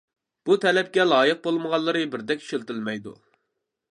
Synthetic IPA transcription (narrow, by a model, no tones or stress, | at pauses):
b̥ut̪ʰɛlɛp̚kʲɛlˠɑːjəq̚bolˠməʁɑlˠːɨɾɨbɪɾd̪ɛkʲʃelt̪ɪlmɛjd̪ṵ